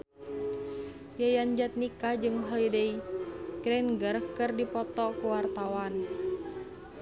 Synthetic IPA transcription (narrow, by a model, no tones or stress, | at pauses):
jajand͡ʒat̪̚nikad͡ʒɨŋɦɔidɛiɡ̥ɾɛnɡərkɨrdipɔt̪ɔkuwart̪awan